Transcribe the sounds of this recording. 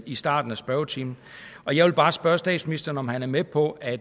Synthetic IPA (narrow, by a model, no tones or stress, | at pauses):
isd̥ɑ̰̈ːd̥n̩æsb̥ɶːʊt͡sʰiːmn̩ | ʔɒ̽jɑʋelb̥ɑ̈ːsb̥ɶːɐsd̥ɛ̰ːd̥sminisd̥ɐːn̩ɒ̽mɦænæɐmepʰɒ̽ʔæ